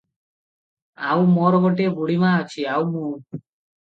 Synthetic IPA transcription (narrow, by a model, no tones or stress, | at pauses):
awmɔɾɔɡoʈebuɽimãɔt͡ʃʰiawmũ